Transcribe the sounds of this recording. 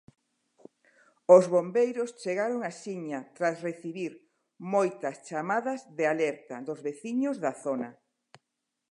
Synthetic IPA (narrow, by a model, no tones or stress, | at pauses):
ʊzβombejɾʊst͡ʃeɣaɾoŋasiɲɐt̪ɾasreθiβiɾ | mojt̪ɐst͡ʃamaðɐzðealɛɾt̪ɐðozβeθiɲʊzðaθonɐ